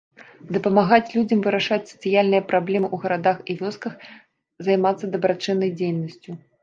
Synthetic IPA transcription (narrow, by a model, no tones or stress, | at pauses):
d̪ɐpɐmaɣat͡sʲlʲud͡zʲɐmvɨɾaʂat͡sʲsɐt̪sɨjalʲnɨjɐpɾablʲɛmɨʔuɣɐɾad̪axivʲɔskɐx | zajmat̪sːɐd̪ɐbɾat͡ʂɨnːɐjd͡zʲejnɐsʲt͡sʲu